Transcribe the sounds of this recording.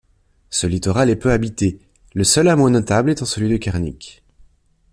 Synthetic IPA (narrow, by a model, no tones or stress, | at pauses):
səlit̪ɔʁalɛpøabit̪e | ləsœlamonɔt̪ablɛt̪ɑ̃səlɥid̪əkʲaʁnḭk